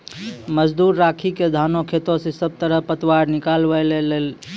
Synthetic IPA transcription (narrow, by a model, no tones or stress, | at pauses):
məd͡ʒd̪uɾːakʰiked̪ʱanokʰet̪õsẽsəb̚t̪əɾəɦpət̪waɾnikalbəlelel